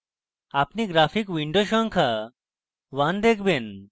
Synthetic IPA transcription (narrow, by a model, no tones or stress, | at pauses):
apniɡɾafʰikʋiɳɖoɕɔŋkʰa | ʋãnd̪ekʰben